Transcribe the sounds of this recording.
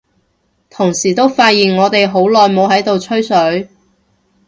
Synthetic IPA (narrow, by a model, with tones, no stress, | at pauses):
t̪ʰʊ˨˩ŋsiː˨˩t̪o˥wfaː˧t̚jiː˨˩nŋɔː˨˧t̪e˨jɦo˨˥wlɔː˨jmo˨˧wɦɐ˨˥jt̪o˨wt͡ʃʰɵ˥ɥsɵ˨˥ɥ